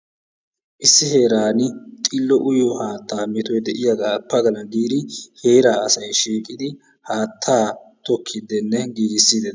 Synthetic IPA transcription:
ʔɪsːɪhe̞ːɾaːnɪt̪ʼɪlːɔʔʊjɔhaːt̪ːaːmɛt̪ɔjd̪ɛʔɪjaɡaːpːɐɡɐlɐɡiːd̪ɪhe̞ːɾaːɐsɐjʃiːkʼɪd̪ɪ | haːt̪ʰːaːt̪ɔkʰːɪd̪ɛnːɛɡiːɡɪsːiːd̪ɛ

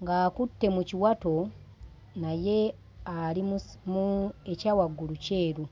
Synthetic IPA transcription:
ŋɡaːkutːe̞muciwato̞ | naje̞ | aɾimmuecaːwaɡuɾuce̞ːɾu

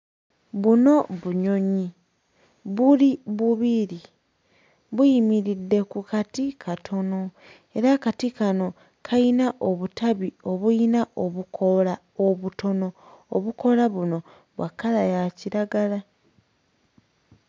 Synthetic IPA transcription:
βuno̞βuɲo̞ɲi | βuliβuβiɾi | βujimiɾidːe̞kukatikʰatʰo̞no̞ | e̞ɾakatikano̞ | kʰainaʔoβutaβio̞βuinaʔo̞βukʰola | oβuto̞no̞ | o̰βuko̞laβuno̞ | βwakːalajaciɾaɡala

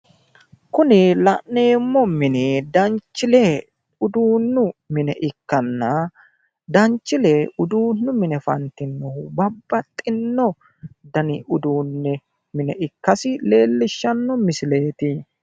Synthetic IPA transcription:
kʊnɪlɐʔne̞ːmːɔmɪnɪd̪ɐnt͡ʃːɪlɛ | ʊd̪uːnːʊmɪnɛʔɪkːɐnːɐ | d̪ɐnt͡ʃːɪlɛʊd̪uːnːʊmɪnɛfɐ̰nt̪ːɪnːʊbɐbːɐt̪ʼːɪnːɔ | d̪ɐnɪʔʊd̪uːnːɛ | mɪnɛʔɪkːɐsɪle̞ːlːɪʃːɐnːɔmɪsɪle̞ːt̪ɪ

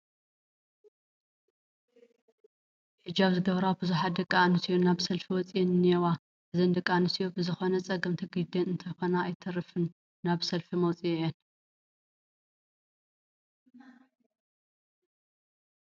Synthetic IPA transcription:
hɨd͡ʒaβzɨɡɐβɾabɨzuħat̪d̪ɨkʼːanɨsijonaβsɐlfiwɔt͡sʼijɛnɨnijɛwa | ʔɨzɨnd̪ɨkʼːanɨsijobɨzɨxo̞nɐt͡sʼɐɡɨmt̪ʰɨɡd̪ɐnɨnt̪ʰɐjxo̞naːjt̪ʰɐɾɨfɨnː | aβsɐlfimɐwt͡sʼijɛjɛn

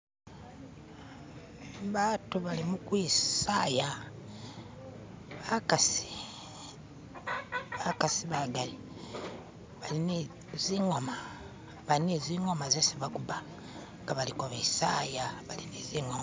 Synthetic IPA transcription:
βatuβalimukwisaja | βakasi̥ | βakasiβaɡali | βaline | ziŋoma | βalineziŋo̞mazesiβakuba | ŋɡaβalikoβisajaβalineziŋom

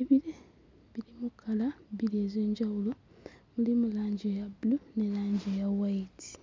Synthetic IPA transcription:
eβiɾe | βiɾimukʰːalaβiɾieze̞ːɲɟawulo | mulimulaːɲɟejabulune̞laːɲɟejawaiti̥

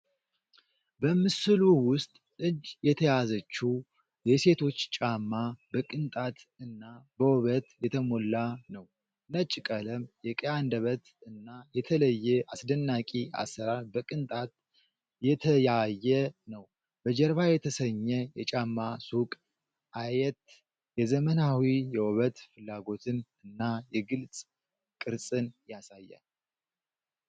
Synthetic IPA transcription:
bəmɨsɨluwʊst̪ʼ | ɨd͡ʒjɛt̪ʰəjazət͡ʃːu | jɛse̞t̪ʰo̞t͡ʃːt͡ʃʼamːabəkʼɨnt̪ʼat̪ɨnːabəwɔβət̪jɛt̪ʰəmo̞lːanəw | nət͡ʃʼːɪkʼələmjɛkʼəjand̪əβət̪ɨnːajɛt̪ʰələjːɛʔasd̪ənːakʼiʔa̰sːəɾaɾbəkʼɨnt̪ʼat̪ | jɛt̪ʰəjajːɛnəw | b̥əd͡ʒɛɾβajɛt̪ʰəsəɲːɛjɛt͡ʃʼamːasukʼ | ʔajɛt̪ | jɛzəmənawijɛwɔβət̪fɨlːaɡo̞t̪ʰɨnɨnːajɛɡɨlt͡sʼ | kʼɨɾsʼɨnjasajːa̰

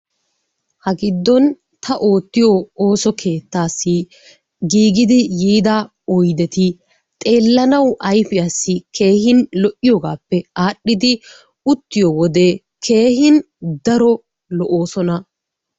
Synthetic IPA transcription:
hɐɡɪd̪ːɔn | t̪ʰɐʔo̞ːt̪ːɪjɔo̞ːsɔkʰe̞ːt̪ːaːsːɪ | ɡiːɡɪd̪ɪjiːd̪a | ɔjd̪ɛt̪ɪ | t̪ʼe̞ːlːɐnɐwʔɐjfɪjasːɪkʰe̞ːhɪnlɔʔɪjɔːɡaːpːɛaːɗːɪd̪ɪ | ʊt̪ːɪjɔwɔd̪e | kʰe̞ːhɪn | d̪ɐɾɔ | lɔʔoːsɔnɐ

